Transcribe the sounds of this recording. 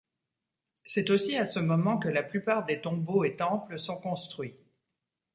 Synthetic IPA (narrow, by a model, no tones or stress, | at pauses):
sɛt̪osiasəmɔmɑ̃kəlaplypaʁd̪et̪ɔ̃boet̪ɑ̃pləsɔ̃kɔ̃st̪χɥi